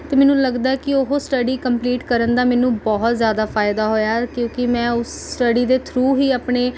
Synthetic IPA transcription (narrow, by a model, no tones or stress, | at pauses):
t̪eːmɛːnũːləɡd̪aːɛkɪoɦosʈəɖiːkəmpliːʈkəɾənd̪aːmɛ̃ːnũːbɔɦʊt̪zjaːd̪aːfʰaːɪd̪aːɦoːjaːkjõːkɪmɛ̃ːʊsːʈəɖiːd̪eːt̪ʰɾuːɦiːaːpɳeː